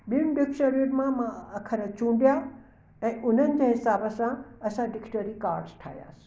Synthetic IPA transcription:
ɓɪmɖɪkʃəɾjunmãmãɐkʰəɾət͡ɕũːɳɖija | ɛ̃ːʔʊn̤ənɪ̆d͡ʑəɦɪsaːbəsãɐsãɖɪkʈəɾikaːɾɖzʈʰa̰ːɦija̰ːsi̥

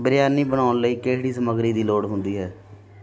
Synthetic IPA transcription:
bəɾɪjaːniːbəɽ̃aːʊnləiːkeːɦɽiːsəməɡɾiːd̪iːloːɽɦʊ̃nd̪iːɦɛː

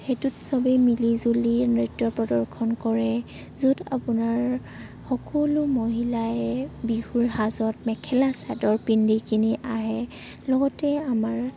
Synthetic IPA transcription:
hetutsɔbɛmilizulinɹitːɔpɹɔdɔɹkʰɔnkɔɹɛ | zuda̰punaɹ | xɔkɔlumoɦilaɛbihuɹɦazɔtmɛkʰɛlasadɔɹpindikiniʔaɦɛ | lɔɡɔtɛamaɹ

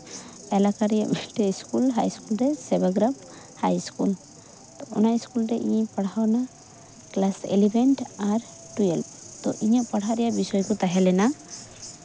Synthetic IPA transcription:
ɛlakaɾɛjamiʈɛskulɦajskulɾɛsɛbaɡɾab | hajskul | t̪ɔɔnaskulɾɛʔiɲpaɽ̤awna | klasḛlibʱɛɳʈaɾ | ʈujelpt̪ɔʔiɲaʔpaɽ̤aɾɛjabisɔjkɔt̪aɦɛlɛna

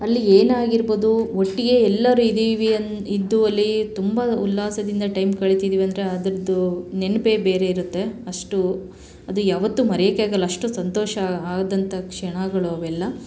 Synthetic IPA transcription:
ɐlːieːnaːɡiɾboːd̪uoʈːiɡe̞ɛlːɐɾuid̪iːʋiɐid̪ːuɐlːit̪umbɐulːaːsɐd̪ind̪ɐʈɐjmkɐɭit̪id̪iːʋiɐnd̪ɐɾe̞ɐd̪ɐɾɐd̪ːunenpe̞be̞ːɾe̞iɾut̪ːe̞ɐʂʈu | ɐd̪ujaːʋɐt̪ːumɐɾjeːkeaːɡɐlːɐʂʈusɐnt̪ɔːʃɐaːd̪ɐnt̪ʰɐkʂɛɳaɡɐɭoʋɛlːɐ

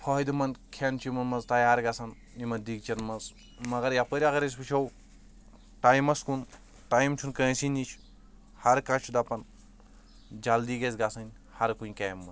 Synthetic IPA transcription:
pʰɔːid̪imɐnkʰent͡ʃʰimɐnmɐzt̪ɐjaːɾɡasɐn | imɐd̪ik̚t͡ʃɐnmɐz | mɐɡɐɾjapəɾʲɐɡɐɾis̬bit͡ʃʰɐw | ʈaːjmɐskun | ʈaimt͡ʃʰunkə̃ːsinit͡ʃʰ | hɐɾkat͡ʃʰud̪ɐpɐn | d͡ʒɐld̪iːɡɐzɡasɐnʲ | hɐɾkunʲkaːmːɐz

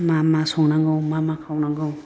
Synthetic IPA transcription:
mamasɔŋnaŋɡawmamakʰawnaŋɡɯw

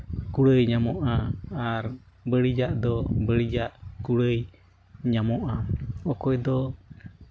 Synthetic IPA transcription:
kuɽəjɲamɔʔaːɾ | bəɽid͡ʒaʔd̪ɔbəɽid͡ʒaʔkuɽəj | ɲamɔʔaɔkɔjd̪ɔ

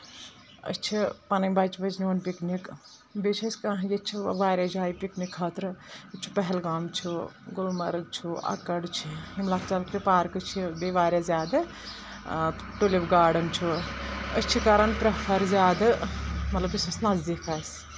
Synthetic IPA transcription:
ə̰t͡ʃʰipɐnɐbat͡ʃbɐd͡ʒnoːnpiknik | bet͡ʃʰɐsʲkaɦjet͡ʃʰiʋaːɾʲad͡ʒaːjipiknikʰːɐːt̪ɾɨt͡ʃʰi̥pɐɦɛlɡaːmt͡ʃʰiɡulmɐɾɡ̚t͡ʃʰuɐ̰kɐɽt͡ʃʰihimlaːkʰt͡ʃɐlkɾipaːɾkɨt͡ʃʰibeʋaːɾʲazjaːd̪ɨ | ʈulibɡaːɖɐnt͡ʃʰuət͡ʃʰikɐɾɐnpɾɐpʰɐɾzʲjaːd̪ɨmɐt̪lɐbisɐsnazd̪ikʰaːs

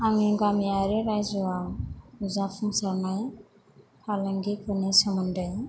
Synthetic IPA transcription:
aŋiɡamijaɾeɾajzuawuzapʰuŋsaɾnaj | kʰalaŋɡikʰɯnisɔmɔndaj

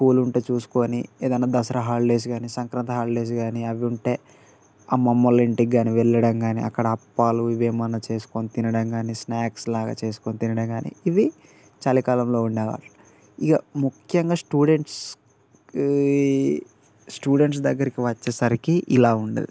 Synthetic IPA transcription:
kuːluɳʈeːt͡ʃuːsu̥ko̞ːnieːd̪ɐnːaːd̪ɐsɐɾɐɦaːlle̞ːs̬uɡaːnisɐŋkɾɐnt̪ɐɦaːlle̞ːs̬uɡaːniɐʋiuɳʈe̞ː | aːmɐmːɐliɳʈiɡːaːniʋɛɭːɐɽɐŋɡaːnḭʔɐ̰kːɐɽɐɐpːaːluiʋeːmɐnɐt͡ʃe̞ːsu̥konit̪inɐɽɐŋɡaːnisnaːkslaːɡa̰ːt͡ʃe̞ːsu̥konit̪inɐɽɐŋɡaːnḭiʋi | t͡ʃalikaːlɐmlo̞ːuɳɖɛːʋa̰ːɾu | ikɐmukʰjɐŋɡaːsʈuːɽe̞ɳʈs | sʈuːɽe̞ɳʈs̬d̪ɐɡːɐɾikiʋɐt͡ʃːɐsɐɾikiʔilaːuɳɖɐ̰d̪i

